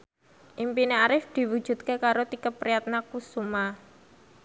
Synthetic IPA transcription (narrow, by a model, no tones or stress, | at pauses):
ʔimpineaɾɪfd̪̥i̤wu̥ʒ̥ṳt̪̚kekaɾot̪ikəpɾijat̪̚nakusuma